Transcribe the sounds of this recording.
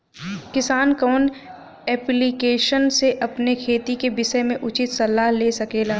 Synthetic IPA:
kɪsaːnkɔːn | ɛːplikeːʃənseʔɐpnekʰeːt̪ikebɪsəmẽʔʊt͡ʃɪt̪sɐlːaːɦleːsɐkeːlaː

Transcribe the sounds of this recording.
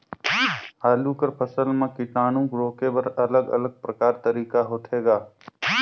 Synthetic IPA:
ɦaːluːkəɾpʰəsəlmãkɪʈaːnũːɡɾoːkebəɾələɡɐ̰ləɡ̚pɾəkaːɾt̪əɾiːkaɦoːt̪ʰɦeːɡaː

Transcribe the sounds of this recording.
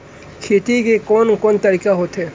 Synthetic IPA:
kʰeːʈ̪ikekɔnkɔːnt̪əɾiːkaɦoːt̪ɦɛː

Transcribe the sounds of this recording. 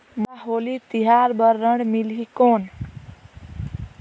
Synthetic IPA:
maɦolit̪iɦaɾbəɾːəɳɽmilɦikon

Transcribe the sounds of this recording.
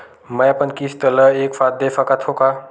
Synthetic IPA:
məjapənkist̪ələekfat̪̚d̪efʰakat̪ʰoka

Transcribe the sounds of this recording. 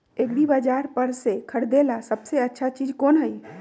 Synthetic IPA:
ekɽibəd͡ʒaɾpəɾsekʰəɽd̪elasəbseətːʃʰat͡ʃid͡ʒkonɦəj

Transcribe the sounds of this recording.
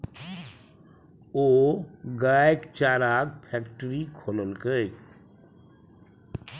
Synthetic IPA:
oɡakt͡ʃaːɾaɡ̚pʰɛkʈəɾikʰoːləlkəj

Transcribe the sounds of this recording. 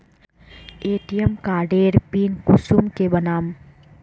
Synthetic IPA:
eːʈijəmkaːɾɖeːɾpiːnkusumkebənaːm

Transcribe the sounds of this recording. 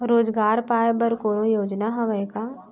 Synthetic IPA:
ɾoːd͡ʒɡaːɾpaːbəɾkoːɾõjoːd͡ʒnaɦɐʋəka

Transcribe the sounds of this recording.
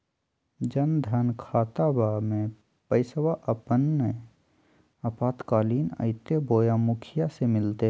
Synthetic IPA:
d͡ʒənd̪ʱankʰaːt̪abaːmẽ | pəɪswaʔəpən | əpaːt̪kaːliːnə̰ɪt̪eboːjamʊkʰɪjasemɪlt̪e

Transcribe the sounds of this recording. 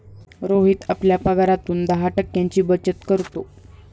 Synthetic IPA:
ɾoɦit̪apljapəɡaɾat̪uːnd̪əɦaʈəkjaɲt͡ɕiːbət͡ɕət̪kəɾt̪o

